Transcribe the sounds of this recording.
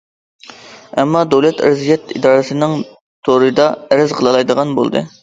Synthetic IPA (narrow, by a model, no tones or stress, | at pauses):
ɛmːɑd̪ewlˠɛt̪ɪ̰ɾzijɛt̪id̪ɑːɾɨsɨnɨŋ | t̪ʰoɾɨd̪ɑæɾɪzqʰəlˠɨlˠɑjd̪əʁɑnbo̰lˠd̪ɨ̰